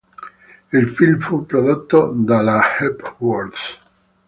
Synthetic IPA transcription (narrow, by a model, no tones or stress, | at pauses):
ilfilmfupɾoðot̪ːod̪alahɛpwɔɾd̪s